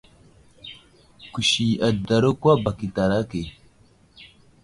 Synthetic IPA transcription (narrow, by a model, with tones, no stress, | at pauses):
ku˨ʃi˨a˨da˨ɾo˦kwa˦ba˨ki˨ta˨ɾa˦ke˨